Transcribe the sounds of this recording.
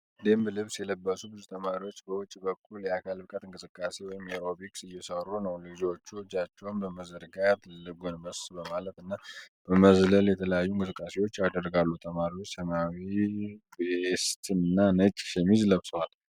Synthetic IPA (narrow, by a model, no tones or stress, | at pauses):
d̪embɨlɨβsjɛləbːəsubɨzut̪ʰəmaɾiwot͡ʃːbəwʊt͡ʃʼːbəkʰʼːuljɛakʰalbɨkʼat̪ɨŋkʼɨsɨkʼːasewɔjɪmeɾo̞biksɨjːɛsərːunəwlɨd͡ʒo̞t͡ʃːud͡ʒat͡ʃːɛwmbəməzəɾɡajat̪ʰlɨɡonməssbəmalət̪ɨnːab̥əməzləljɛt̪ʰələjajːuɪŋkʼɨsɨkʼːase̞wo̞t͡ʃːjad̪ərːɡalːut̪ʰəmaɾiwot͡ʃːsəmawi | st̪ʰɨnɨnːanət͡ʃʼːʃɛmizləβsəwal